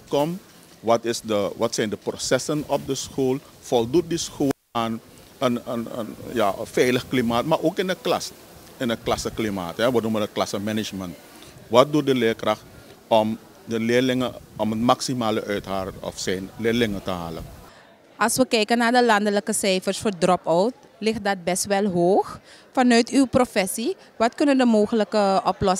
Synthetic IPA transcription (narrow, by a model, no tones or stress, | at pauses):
kɔm | ʋɑtɪsdəʋɑtsɛjndəprosɛsənɔp̚dəsxoːlˠ | fɔlˠdut̚disxoːlaːn | ənə̰nə̰njafɛjləxklimaːtmaɾʔoːkɪndəklɑ̰s | ɪnəklɑsəklima̰ːtɦɛʋənumənət̚klɑsəmɛnɪt͡ʃmənt | ʋɑt̚dut̚dəlɪːkrɑxt | ɔm | dəlɪːrlɪŋəɔmənmaksimaːləʔœɥtɦaːrɔ̰fsɛjnlɪːrlɪŋətəɦa̰ːlə̰ | ɑlsʋəkɛjkənaːrdəlɑndələkəsɛjfərsfoːrdrɔpɔwt | lɪxt̚dɑt̚bɛstʋɛlˠɦoːxfɑnœɥtywprofɛsi | ʋɑtkɵnəndəmoːxələkəʔɔplɔs